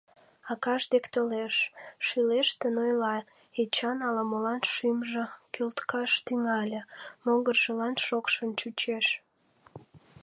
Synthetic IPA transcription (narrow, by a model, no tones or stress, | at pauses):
ɑkɑʃd̪ekt̪oleʃʃileʃt̪enojlɑ | et͡ɕɑnɑlɑmolɑnʃimʒə̆kølt̪kɑʃt̪yŋɑlʲemoɣərʒəlɑnʃokʃənt͡ɕut͡ɕeʃ